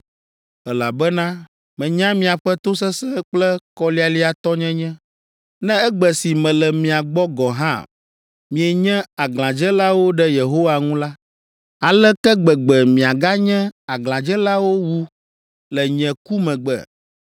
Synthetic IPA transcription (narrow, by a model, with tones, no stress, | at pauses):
ɛ˨la˨bɛ˦nã˦ | mɛ̃˨ɲã˦mĩ˨a˨ɸɛ˦t̪o˦s̬ɛ˦sɛ̃˦k͡plɛ˦kɔ˦li˦a˨li˦a˨t̪ɔ˦ɲɛ̃˦ɲɛ̃˦ | nɛ̃˦ɛ˦ɡ͡bɛ˨si˨mɛ̃˨lɛ˨mĩ˨a˨ɡ͡bɔ˦ɡɔ̃˨ɦã˦ | mĩ˨ɛ˨ɲɛ̃˦a˨ɡlã˨d͡ʒɛ˦la˦wo˦ɖɛ˦je˨ɦo˦wa˨ŋũ˦la˦ | a˨lɛ˦kɛ˦ɡ͡bɛ˨ɡ͡bɛ˨mĩ˨a˨ɡa˦ɲɛ̃˦a˨ɡl̃ã˨d͡ʒɛ˦la˦wo˦wu˦ | lɛ˨ɲɛ̃˨ku˦mɛ̃˨ɡ͡bɛ̰˨